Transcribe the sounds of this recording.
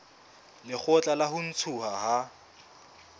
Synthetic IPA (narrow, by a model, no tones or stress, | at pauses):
lɪk͡xʰʊt͡ɬʼalahʊn̩t͡sʰʊhaha